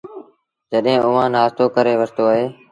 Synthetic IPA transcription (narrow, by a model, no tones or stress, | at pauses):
d͡ʒəɗɦẽːʔʊʋãːnaːzt̪oːkəɾeːʋəst̪oːəɦeː